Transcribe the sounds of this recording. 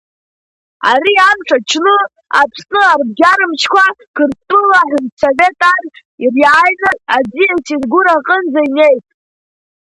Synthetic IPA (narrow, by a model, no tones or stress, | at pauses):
a̰ɾiamʈ͡ʂʰat͡ʃʰnɨ | a̰pʰsnɨarb̚ɡʲaɾɨmt͡ʃʰkʷʰakʰɨrstʼɨlaħʷrsove̞tʼarʲ | irjajnɨad͡zijasʰezɡʷuɾaqʼənd͡zaine̞jtʼ